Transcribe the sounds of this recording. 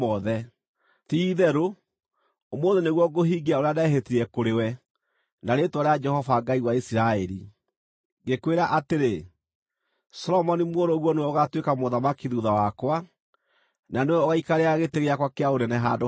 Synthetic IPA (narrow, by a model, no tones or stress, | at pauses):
ɔðɛ | tiːðɛɾo | omoːðeneɣwɔɡoɦiːɡeaoɾeadaɛɦetiɾɛkoɾewɛ | naɾetwɔɾead͡ʒɛhɔvaɡaiwaisiɾaɛɾi | ɡekweɾaʔateɾe | sɔlɔmɔnimwoɾoɣwɔnewɛɔɣatwekamoðamakiðuðawakwa | nanewɛɔɣaikaɾeaɣeteɣeakwakeaoɾɛnɛɦado